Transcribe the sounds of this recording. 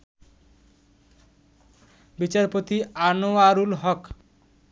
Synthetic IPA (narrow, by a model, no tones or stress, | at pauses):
bit͡ɕaɾpot̪ianoaɾulɦɔk